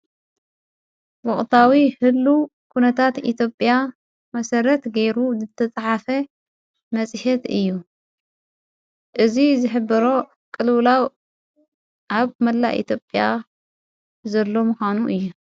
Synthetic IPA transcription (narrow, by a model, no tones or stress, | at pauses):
wɔʔʼt̪ʰawihɨlːu | kʰunɐt̪ʰat̪ḭt̪ʰjo̞pʼja | mɐsɐɾɐt̪ɡejɾuzɨt̪ʰːɐt͡sʼħafɐ | mɐsʼɨħɛt̪ɨjːu | ʔɨzizɨħɨbːɐɾo̞ | kʼɨlwlaw | ʔaβmɐlːa̰ʔḭt̪ʰjopʼːja | zɐlːo̞mɨxʷanuʔɨjːu